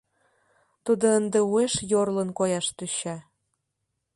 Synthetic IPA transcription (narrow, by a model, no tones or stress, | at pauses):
t̪ud̪oənd̪eueʃjorlənkojɑʃt̪yɕɑ